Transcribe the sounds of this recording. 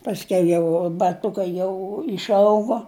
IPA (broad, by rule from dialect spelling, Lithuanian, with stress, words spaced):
pɐsʲˈkʲɛʊ jɛʊ bɐˈtʊkɐɪ ˈjɛʊ ɪʃˈɐʊɡoː